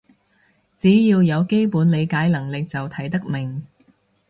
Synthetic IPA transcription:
t͡siː˨˥jiː˧wjɐ˨˧wke˥jpuː˨˥nle˨˧jkaː˨˥jlɐ˨˩ŋlɪ˨k̚t͡sɐ˨wt̪ʰɐ˨˥jt̪ɐ˥k̚mɪ˨˩ŋ

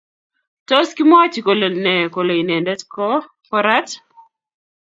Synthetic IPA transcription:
tɔ˦ski˦mɔ˦t͡ʃi˨ko˨lo˨nɛ˨ko˨lo˨i˨nɛ˨ndɛ˦tkɔ˦ | kɔ˦ɾa˦t

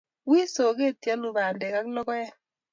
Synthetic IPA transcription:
wi˦so˨ke˦˨tja˦lu˨ba˨ndɛ˨ka˦klɔ˦kɔ˦ɛ˦

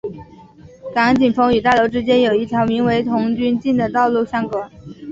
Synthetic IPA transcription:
ka˧˥ŋt͡ɕi˨˩nfɤ˧˥ŋy˨˩t̪a˥˩lo˧˥ʊʈ͡ʂɻ̩˥t͡ɕjɛ˥njo˨˩ʊi˥˩jɑ˧˥ʊmi˧˥ŋwe˧˥ɪt̪ʰʊ˧˥ŋt͡ɕy˥nt͡ɕi˥˩nd̪ə˩t̪ɑ˥˧ʊlu˥˩ɕjɑ˥ŋkɔ˨˩˦

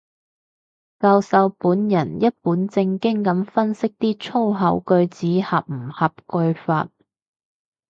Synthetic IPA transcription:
kaː˧wsɐ˨˧wpuː˨˥njɐ˨˩njɐ˥t̚puː˨˥nt͡sɪ˧ŋkɪ˥ŋkɐ˨˥mfɐ˥nsɪ˥k̚t̪iː˥t͡sʰo˥wɦɐ˨˥wkɵ˧ɥt͡siː˨˥hɐ˨p̚m̩˨˩hɐ˨p̚kɵ˧ɥfa̰ː˧t̚

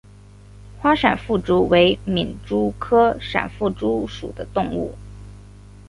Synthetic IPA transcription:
xwa˥ʂa̰˨˩nfu˥˩ʈ͡ʂu˥we˧˥ɪmi˨˩nʈ͡ʂu˥kʰɤ˥ʂa̰˨˩nfu˥˩ʈ͡ʂu˥ʂu˨˩d̪ə˦t̪ʊ˥˧ŋṵ˥˩

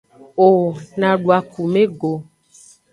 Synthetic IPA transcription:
o˨nã˨ɖu˨a˨ku˨mẽ˦ɡo˨

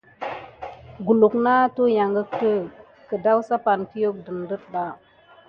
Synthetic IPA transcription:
ɡu˨lu˨kna˦tu˦ja˨ŋɡə˦k̚tə˦ | kə˨da˦wsa˦pa˨nki˦jo˦k̚də˨ndə˦t̚da˨˦

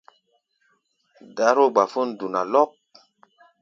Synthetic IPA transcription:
da˨˦ɾo˦˨ɡ͡ba˨fu˦ndu˨na˨lɔ˦k̚

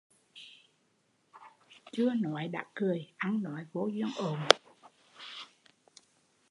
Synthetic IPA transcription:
t͡ɕɨ˧ənɔ˨˦jɗa̰ː˧˥kɨ˨˩əjʔa˧nnɔ˨˦jvo̰˧˥zɨ˧əŋʔo˨˩m

